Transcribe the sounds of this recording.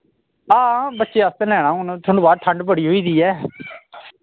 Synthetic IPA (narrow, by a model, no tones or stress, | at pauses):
ãːbətːʃeːast̪ẽːlɛːɽaːʊnt̪ʰonõːbaːʈʰəɳɖpəɽiːɦoːiːd̪iːɛː